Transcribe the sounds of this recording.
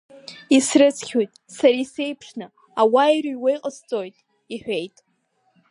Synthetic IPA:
isrɨt͡sʰχʲojtʼ | saɾaise̞jpʰʂnɨ | awajrijwajqʼəst͡sʼo̞jtʼ | iħʷᶣe̞jtʼ

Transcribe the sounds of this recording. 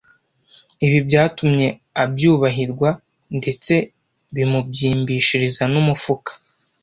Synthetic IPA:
iβibjaːtumɲe̞abjuːβaɦiɾɡwa | nde̞t͡se̞ | βimubjiːmbiːʃiɾizanumufukḁ

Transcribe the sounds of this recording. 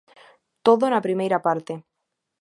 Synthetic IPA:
t̪oðonapɾimejɾapaɾt̪e

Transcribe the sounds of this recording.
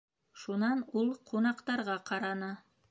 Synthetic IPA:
ʃunɑnulˠqʰunɑqt̪ɑɾʁɑqʰɑɾɑnɤ

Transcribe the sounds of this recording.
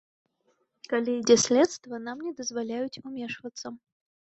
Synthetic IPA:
kalʲijdʲɛsʲlʲɛt̪st̪vɐnamnʲɛd̪əzvalʲæjʊtʲʊmʲɛʂvət̪sːə

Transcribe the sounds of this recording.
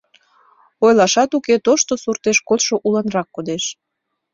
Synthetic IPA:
ojlɑʃɑt̪uket̪oʃt̪osurt̪eʃkot̪ʃoʔulənrɑkːod̪eʃ

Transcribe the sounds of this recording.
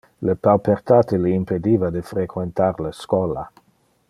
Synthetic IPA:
lepalpert̪aːt̪eliimped̪ivad̪efɾekʰwent̪arləskɔla̰

